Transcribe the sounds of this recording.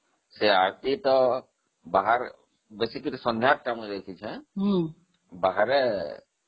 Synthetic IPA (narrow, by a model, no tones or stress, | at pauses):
seaɾt̪it̪ɔ | baɦaɾ | besikiɾsɔnd̪ʱjat̪̚kameɾek̪ʰit͡ʃʰɛ̃ɦ | baɦaɾɛ